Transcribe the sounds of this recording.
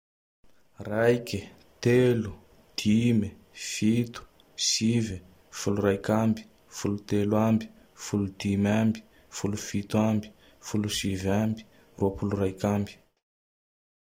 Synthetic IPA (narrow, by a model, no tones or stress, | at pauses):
rajki | t̪elu | d̪̥imi | fit̪u̥ | sivi | fuluɾajkambi̥ | fulut̪elwambi̥ | fulud̪̥imambi̥ | fulufit̪uambi̥ | fulusivambi̥ | ruapulurajkambi̥